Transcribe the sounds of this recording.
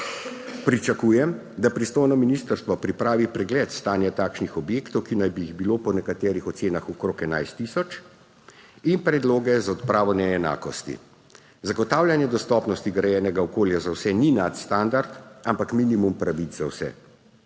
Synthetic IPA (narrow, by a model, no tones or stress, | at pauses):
pɾit͡ʃakuːjɛm | d̪apɾist̪oːjnɔminist̪əɾst̪ʋɔpɾipɾaːʋipɾɛɡlɛːt̪st̪aːnjat̪aːkʃnixɔbjeːkt̪ɔwkinajbijːiɣbilopɔnɛkat̪ɛːɾixɔt̪seːnaxɔkɾoːkɛna̰jst̪isɔt͡ʃ | inpɾɛd̪loːɡɛzaɔt̪pɾaːʋɔnɛːna̰ːkɔst̪ḭ | zaɡɔt̪aːwlʲjanjɛd̪ɔst̪ɔpnɔst̪iɡɾɛjɛːnɛɡaɔkoːljazawsɛninat̪st̪and̪aɾt̪ampakminimumpɾaʋit͡szzawsɛ̰